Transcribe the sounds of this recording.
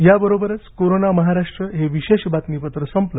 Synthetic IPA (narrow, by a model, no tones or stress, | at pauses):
jabəɾobəɾət͡skoɾonaməɦaɾaʂʈɾəɦeʋiɕeɕbat̪nipət̪ɾəsəmplə